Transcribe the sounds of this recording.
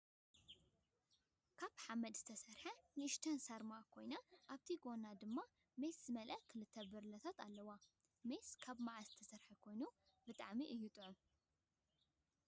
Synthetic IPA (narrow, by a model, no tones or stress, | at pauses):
kʰaβħamɐd̪z̥ɨt̪ʰɐsɐɾħɐnɨʔɨʃt̪ʰɐnsɐɾmaʔkʰo̞jnaʔaβt̪ʰiɡo̞nad̪ɨmːa | meszɨmɐlʔɐkʰɨlɨt̪ʰːɐbɨɾlɐt̪ʰat̪ʰalːɐwa | meskʰaβmaʕazɨt̪ʰɐsɐɾħɐkʰo̞jnu | bɨt̪ʼa̰ʕmiʔɨjːut̪ʼɨʕum